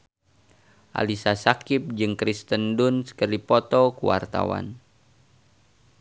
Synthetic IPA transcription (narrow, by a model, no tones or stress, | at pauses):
ʔa̰lisasakip̚d͡ʒɨŋkɾist̪əndunskəɾipɔt̪ɔkuwa̰rt̪a̰wa̰n